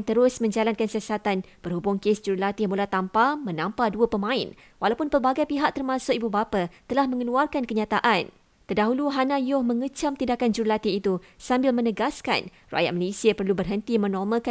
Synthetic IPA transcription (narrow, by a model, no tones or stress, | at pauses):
ŋt̪əɾʊsmə̃ɲd͡ʒalankansiasat̪anpərhubʊŋkesd͡ʒuɾlat̪imulat̪ampamə̃nãmpaduəpəmãɪn | walawpʊnpərbaɡajpiɦak̚t̪ərmãsʊkibubapat̪əlahmə̃ŋəluarkankəɲãt̪aʔan | t̪ərdaɦuluɦanãjʊhmə̃ŋət͡ʃamt̪indakand͡ʒuɾlat̪iːt̪usambɪlmə̃nəɡaska̰n | rua̰jat̪̚malesiapərlubərɦənt̪imə̃nɔrmə̃ka